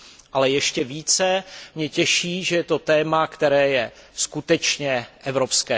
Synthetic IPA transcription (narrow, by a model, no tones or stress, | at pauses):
ʔalɛjɛʃcɛviːt͡sɛmɲɛcɛʃiːʒɛjɛt̪ot̪ɛːmakt̪ɛɾɛːjɛskut̪ɛt͡ʃɲɛʔɛvɾopskɛː